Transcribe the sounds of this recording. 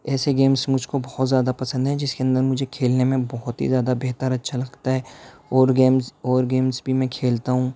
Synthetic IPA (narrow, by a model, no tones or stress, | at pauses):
ɛːseɡeːmzmʊd͡ʒʱkobɔhɔt̪zjaːd̪apɐsə̃nd̪ɦɛ̃d͡ʒɪskeɐ̃nd̪əɾmʊd͡ʒʱekʰeːlnemẽbɔɦʊt̪ɦḭzjaːd̪abeɦt̪əɾɐtːʃʰalɐɡt̪aɦɛːɔːɾɡeːmzɔːɾɡeːmzbʱimɛ̃kʰeːlt̪aɦũː